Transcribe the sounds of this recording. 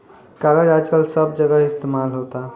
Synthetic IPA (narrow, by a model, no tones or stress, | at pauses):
kaɡəd͡ʒad͡ʒkəlsəb̚d͡ʒəɡəist̪emalɦot̪a